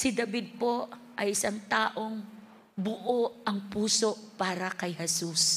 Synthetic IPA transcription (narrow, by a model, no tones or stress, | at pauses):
sɪd̪ɐbid̪̚po̞ | ʔɐjɪsaŋt̪aːʔo̞ŋ | bʊʔoʔɐŋpuːso̞ʔpaːɾɐkɐjɦɛsus